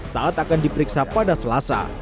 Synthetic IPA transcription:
saŋat̪akandipəɾiksapadasəlasa̰

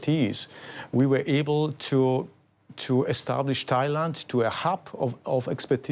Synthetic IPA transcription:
tʰizwiwə˞ʔeɪbəl̩ˠtʰu | tʰuɛstæ̰blɪʃtʰaɪlãntʰuəhapʰɔvɛkspɛtʰi

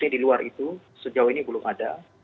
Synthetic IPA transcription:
ɲadiluarʔit̪u | səd͡ʒawinibəlʊmʔada

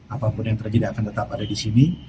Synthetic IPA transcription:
apapʊnjaŋt̪ərd͡ʒadiakant̪ət̪apadadisini

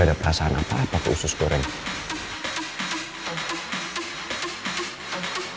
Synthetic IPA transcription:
adapəɾasaanʔa̰paapakəusʊskoɾɪŋ

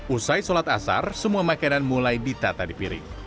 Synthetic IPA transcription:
ʔusajsolat̪asa̰rsəmuamakananmulajdit̪at̪adipiɾɪ̰ŋ̚

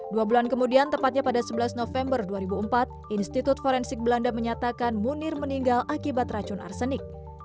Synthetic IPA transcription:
duabulankəmudiant̪əpat̪̚ɲapadasəbəlasnofɛmbərduaɾibuəmpat̪̚ʔinst̪it̪ʊt̪̚foɾɛnsɪk̚bəlandaməɲat̪akanmunɪrməniŋɡalʔakibat̪rat͡ʃʊnʔa̰rsənɪk̚

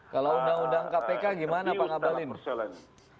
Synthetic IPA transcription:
kalawundaŋundaŋkapekaɡimanapaŋabalɪn

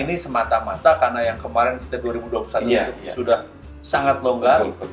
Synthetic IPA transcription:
inisəmat̪amat̪akarnajaŋkəmaɾɪnki̥t̪aduaɾibuduapu̥saɲasudah | saŋat̪̚loŋɡar

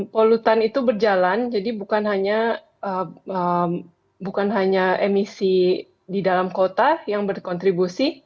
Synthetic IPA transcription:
polut̪anit̪ubərd͡ʒaland͡ʒadibukanɦaɲa | əəm | bukanɦaɲaemisi | didalamkot̪ajaŋbərkɔnt̪ɾibusi

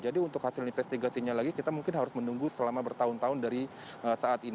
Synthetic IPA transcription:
d͡ʒadiunt̪ʊkhasɪlinfɛst̪iɡasiɲalaɡikit̪amuŋkɪnɦaɾʊsmənuŋɡusəlamabərt̪aʊnt̪aʊndaɾi | əsaat̪i

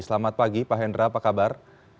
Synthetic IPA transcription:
səlamat̪̚paɡipaɦɛndɾapakabar

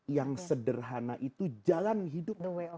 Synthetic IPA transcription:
jaŋsədərɦanaʔit̪ud͡ʒalanɦidʊp̚

